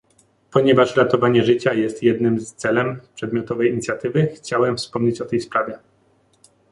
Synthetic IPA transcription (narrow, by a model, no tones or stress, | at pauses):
pɔɲɛvaʂɾat̪ɔvaɲɛʐɘt͡ɕajɛst̪jɛd̪nɘmst̪sɛlɛmpʂɛd̪mʲjɔt̪ɔvɛjiɲit̪sʲjat̪ɘvɘxt͡ɕawɛmfspɔmɲet͡ɕɔt̪ɛjspɾavʲjɛ